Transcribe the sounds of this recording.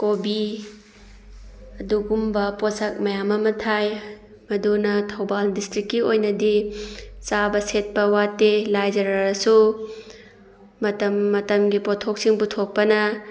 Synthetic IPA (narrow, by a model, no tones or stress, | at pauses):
kobi | ɐduɡumbɐposɐk̚mɐjamɐmɐtʰaj | mɐdunɐtʰɐwbaldistɾikːiojnɐdi | sabɐset̚pɐwatːelajd͡ʒɐɾɐɾɐsu | mɐtɐmːɐtɐmɡipotʰok̚siŋputʰok̚pɐnɐ